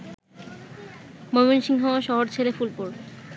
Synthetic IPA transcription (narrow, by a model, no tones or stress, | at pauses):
momonʃiŋɦaaʃɔɦoɾt͡ɕʰelefulpoɾ